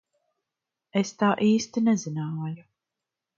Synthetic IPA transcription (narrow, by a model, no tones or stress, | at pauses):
est̪aːʔiːst̪inɛzinaːju